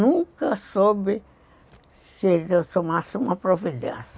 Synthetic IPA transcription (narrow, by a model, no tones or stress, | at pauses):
ũŋkɐsobɪ | seesomasɪũmɐpɾovilã̰s